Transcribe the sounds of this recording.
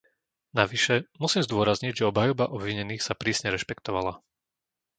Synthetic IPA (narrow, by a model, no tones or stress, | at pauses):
naʋiʃɛmusiːmzd̪ʊɔɾazɲiɟʒɛɔbɦajɔbaʔɔbʋiɲɛniːxsapɾiːsɲɛɾɛʃpɛkt̪ɔʋala